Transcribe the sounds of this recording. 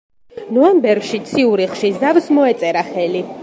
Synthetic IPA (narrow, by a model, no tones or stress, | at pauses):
nɔɛmbɛɾɡʃit̪sʰiuɾiχʃizavsmɔɛt̪sʼɛɾaχɛli